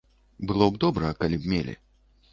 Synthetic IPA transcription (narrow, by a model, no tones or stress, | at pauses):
bɨlˠɔbd̪ɔbɾɐkalʲibmʲelʲḭ